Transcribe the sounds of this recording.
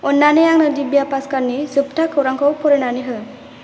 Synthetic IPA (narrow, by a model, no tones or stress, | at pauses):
ɔnːanejaŋnɯdibjapaskaɾnisupʈakʰɯwɾaŋkɔwpʰɔɾenaniɦɯ